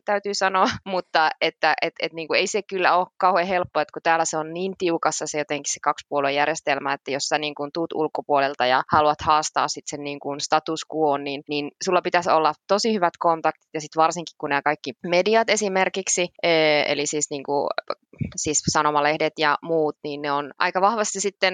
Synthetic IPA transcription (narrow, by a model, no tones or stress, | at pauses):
t̪æyt̪yːsɑnoɑmut̪ːɑet̪ːæʔet̪et̪niːŋkueisekylːæoːkkkɑuhehelpːoet̪kut̪æːlːæseonniːnt̪iukɑsːɑsejot̪eŋki̥ssekɑkspuoluejærjest̪elmæet̪ːæjossæniːŋkunt̪uːt̪ulkːopuolelt̪ɑjɑ̰hɑluɑt̪hɑːst̪ɑ̰ːssit̪senniːŋkunst̪ɑt̪uskuoːnninniːnsulːɑpit̪æsolːɑt̪osihyʋæt̪kont̪ɑkt̪i̥t̪jɑsit̪ʋɑrsiŋki̥kkunæːkɑikːimediɑt̪esimerkiksiəːḛlisiːsniːŋku | siːssɑnomɑlehdet̪jɑmuːt̪niːnneonʔɑ̰ikɑʋɑhʋɑst̪isit̪ːen